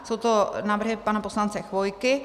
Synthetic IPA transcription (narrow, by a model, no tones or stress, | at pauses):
sowt̪onaːvr̩ɦɪpanaposlant͡sɛxvo̞jkɪ